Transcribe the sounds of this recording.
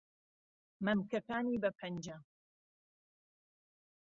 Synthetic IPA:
mɐmkɐkaːniːbɐpʰɐnd͡ʒɐ

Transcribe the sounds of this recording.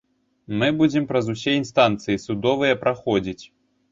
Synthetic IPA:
mɨbud͡zʲɛmpɾɐzusʲɛinst̪ant̪sɨjisud̪ɔvɨjɐpɾʔaxɔd͡zʲit͡sʲ

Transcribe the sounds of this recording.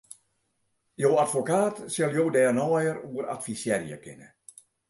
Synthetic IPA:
joːatfokaːtsjɛlˠjoːdɛːrnɔːjəruəɾa̰tfisjɛrjə̰kʰɪ̰nə

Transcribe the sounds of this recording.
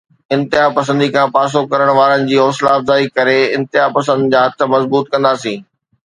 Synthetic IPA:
ɪ̃nt̪ɪɦapɐsə̃nd̪ikʰãːpaːs̬okɐɾəɽ̃ʋaːɾənɪ̆d͡ʑiːɔːslaːfzaːikɐɾeɪ̃nt̪ɪɦapɐsə̃nd̪ɪd͡ʑaːɦɐt̪̆ʰmɐzbuːt̪kɐ̃nd̪aːsĩː

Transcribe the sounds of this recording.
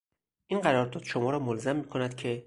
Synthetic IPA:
ʔinɢæɾɒːɾd̪ɒːd̪ʃomɒːɾɒːmolzæmːiːkʰo̞næd̪̥cʰe̞

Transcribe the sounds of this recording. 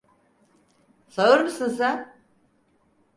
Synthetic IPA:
saɯɾmɯsɯnsa

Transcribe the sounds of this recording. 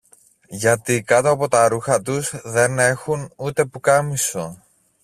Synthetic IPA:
ʝɐt̪ikɐt̪oɐpo̞t̪ɐɾuxɐt̪uzðe̞ne̞xunut̪e̞pukɐmiso̞

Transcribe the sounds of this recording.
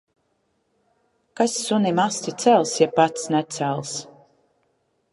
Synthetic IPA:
kasːunimast̪it̪sælˠsjapat̪snɛt̪sælˠs

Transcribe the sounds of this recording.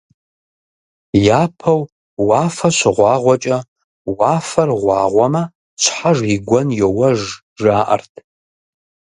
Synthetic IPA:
jaːpʰɐw | waːfɐɕʷɪʁʷɑːʁʷɔt͡ʃʼɐ | waːfɐrʁʷɑ̰ːʁʷɔmɐ | t͡ʃʷʰħaʐiɡʷɔnjowɐʒ | ʒaːʔɐ̰rtʰ

